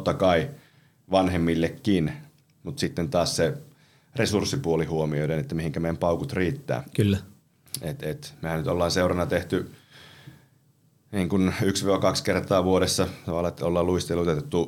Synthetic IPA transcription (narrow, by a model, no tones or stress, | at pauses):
ot̪ːɑkɑi | ʋɑnhemːilːekːin | mut̪sit̪ːent̪ɑːsse | resursːipuolihuomioiɾenet̪ːæmihiŋkæmeːæmpɑukut̪riːt̪ːæ̰ːkylːæ | et̪et̪mehænnyt̪olːɑːnseurɑnɑt̪eht̪y | niːŋkunyksʋiʋokɑkskert̪ɑːʋuoɾesːɑt̪ɑʋɑlˑːɑet̪ːæolːɑːluist̪elːuot̪et̪et̪ːu